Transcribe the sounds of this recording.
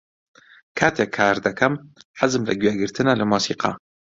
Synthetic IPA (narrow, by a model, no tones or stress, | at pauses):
kʰaːt̪ʰekʰːaːɾd̪ɐkʰɐmħazɨmlɐ̰ɡɥeɡɨɾt̪ʰɨnalɐmosiːqʰɑ̰